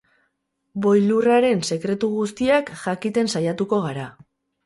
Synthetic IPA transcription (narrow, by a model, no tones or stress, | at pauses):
bo̞jluraɾe̞nse̞kɾe̞t̪uɣust̪iakʝakit̪e̞nsajat̪uko̞ɣaɾa